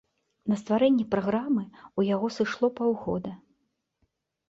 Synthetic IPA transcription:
nɐst̪vaɾɛnʲːɛpɾaɣɾamɨujaɣɔsɨʂlˠɔpawɣɔd̪ɐ

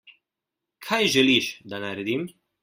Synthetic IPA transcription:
kʰajʒɛliʃd̪anaɾɛd̪im

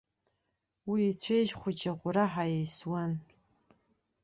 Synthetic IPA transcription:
wiːt͡sʷʰejʒχʷʊt͡ʃʼaʁʷʼʊɾaħajejswan

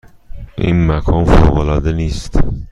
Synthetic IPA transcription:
ʔḭːnmækʰɒːnfoːɣolɒːd̪eniːst̪

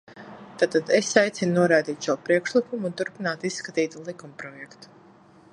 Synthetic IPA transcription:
t̪aːt̪ad̪ɛsajt̪sʲinnuɔɾajd̪iːt̪ʃuɔpɾiɛkʃlˠikumunt̪uɾpinaːt̪issːkat̪iːt̪lˠikumpɾɔjɛkt̪u̥

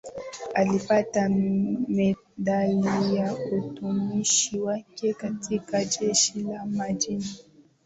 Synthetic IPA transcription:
alipatamɛ | ɗalijautumiʃiwakɛkatʰikad͡ʒɛʃilamad͡ʒina

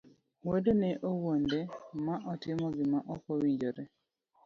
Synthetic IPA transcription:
wedonɛʔowondemaʔɔtɪmɔɡɪmaʔɔkowiɲd͡ʒoɾɛ

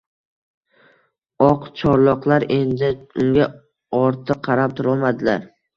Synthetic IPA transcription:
ɒqt͡ʃʰɒɾlˠɒqlˠaɾe̞nd̪ɪʊŋɡʲa | ɒɾt̪ʰɨqʰɑɾap̚t̪ʰʊɾɒlˠmad̪ɪla̰ɾ

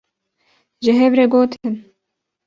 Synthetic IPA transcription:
ʒɪɦɛvɾeɡoːt̪ʰɨn

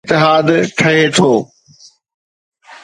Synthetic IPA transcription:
t̪ːɪɦaːd̪ʈʰɐɦet̪ʰoː

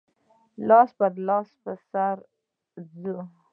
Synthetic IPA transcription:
lɑsbad̪lɑspəsaɾ | zə

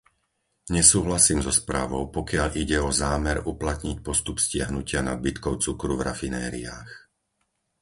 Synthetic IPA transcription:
ɲɛsuːɦlasiːmzɔspɾa̰ːʋɔʊpɔkɪaʎʔiɟɛɔzaːmɛɾuplat̪ɲic̚pɔst̪upscɪaɦnucɪana̰d̪̚bit̪kɔʊt͡sukɾuvɾa̰finɛːɾḭa̰ːx

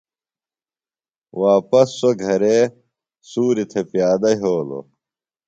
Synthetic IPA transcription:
waːpɐsːoɡʱɐɾe | suːɾit̪ʰepijaːd̪ɐɦoːlo̰

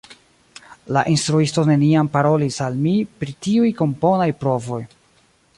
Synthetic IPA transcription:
laʔinstɾuisto̞ne̞niampaɾo̞lisalmipɾitiujko̞mpo̞najpɾo̞vo̞j

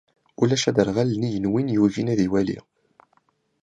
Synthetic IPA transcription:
ulæʃæd̪əɾʁælnijənwinjuvinæðiwælḭ

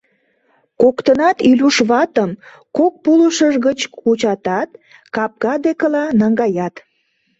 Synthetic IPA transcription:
kokt̪ənɑt̪ylʲuʃβɑt̪əm | kok̚puluʃəʒɣət͡ɕkut͡ɕɑt̪ɑt̪ | kɑp̚ɡɑd̪ekəlɑnɑŋɡɑjɑt̪

